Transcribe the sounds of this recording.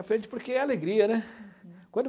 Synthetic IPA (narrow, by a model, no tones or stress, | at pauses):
apɾẽɾd͡ʒɪpoɾkeɛaleɡɾiɐnɛkwɐ̃nd̪